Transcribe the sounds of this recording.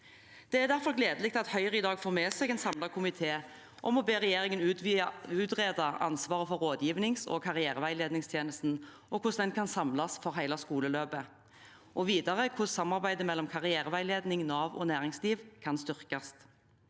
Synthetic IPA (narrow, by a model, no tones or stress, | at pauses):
d̪̥ɛæʁd̪æɾfɔʁɡleːd̪əlɪkt̪ʰɪlɑt̪hœʏʁəɪd̪ɑːɡfoːʁmeːsɛɡɛːnsɑmlɑkʰʊmɪt̪ʰeː | ʔɔmɔbeːʁɛjeːʁɪŋənʉʉːt̪ʁeːd̪ɑʔɑ̰nsʋɑːʁəfɔɾːoːd̪jiːʋnɪŋsɔ̰kʰɑʁɪæːɾəʋæɪleːd̪nɪŋst̪ʰjeːnəst̪n̩ | ʔɔkʰʊsd̪ɛnkʰɑnsɑmlɑsfɔɾɦæɪlɑskuːləløːbə | ʔɔʋiːd̪ɑʁəkʰʊssɑmːɑʁbæɪd̪əmɛlːɔmkʰɑʁɪæːʁəʋæɪleːd̪nɪŋnɑːʋɔ̰næːʁɪŋsliːʋkʰɑnst̪ʏʁkɑst̪